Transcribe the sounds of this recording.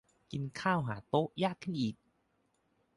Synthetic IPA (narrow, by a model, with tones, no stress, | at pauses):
ki˧nkʰaː˥˩wɦaː˨˩˦t̪o˦˥ʔjaː˥˩kʰːɯ˥˩nʔiː˨˩k̚